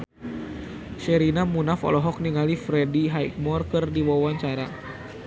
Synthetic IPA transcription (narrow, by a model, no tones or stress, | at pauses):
ʃɛɾinamunafɔ̰lɔɦɔk̚niŋalifɾɛdiɦajk̚mɔrkɨrdiwawaɲt͡ʃaɾa